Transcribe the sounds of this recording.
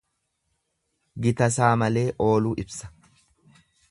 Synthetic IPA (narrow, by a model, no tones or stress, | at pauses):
ɡɪt̪ɐs̬aːmɐle̞ːʔo̞ːluːʔɪbsɐ̥